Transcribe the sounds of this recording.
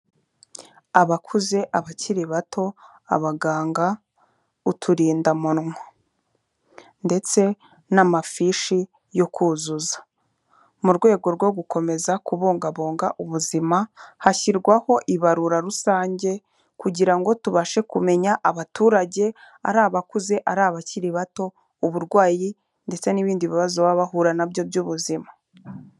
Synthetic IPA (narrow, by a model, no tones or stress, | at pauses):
aβakʰuze̞ʔaβaciɾiβatʰo̞ | a̰βaɡaːŋɡa | utʰuɾiːndamunŋa | nde̞t͡se̞ | namafiʃi | jo̞kʰuːzuzḁ | muɾɡwe̞ːɡo̞ɾɡwo̞ɡuko̞me̞zakuβo̞ːŋɡaβo̞ːŋɡaʔuβuzimahaçiɾɡwaho̞ʔiβaɾuɾaɾusaːɲɟe̞ | kuɟiɾaŋɡo̞tuβaʃe̞kume̞ɲaʔaβatuːɾaɟe̞ | a̰ɾaːβakuze̞ʔaɾaːβaciɾiβato̞ | uβuɾɡwaːji | nde̞t͡se̞niβiːndiβiβazoβaβaɦuɾanabjobjuːβuzima